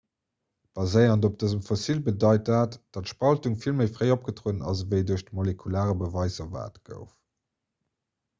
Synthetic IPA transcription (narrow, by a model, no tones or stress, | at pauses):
b̥ɑzəɪɐndop̚d̥əzəmfosiːlbədɑɪtdaːtd̥ɑtʃpɑltuŋfilməɪfʁəɪop̚ɡ̥ətʁuːənɑ̰svəɪduɐʃtəmolekʰulaːʁəbəvɑɪzɐva̰ːtɡ̥ə̰ʊf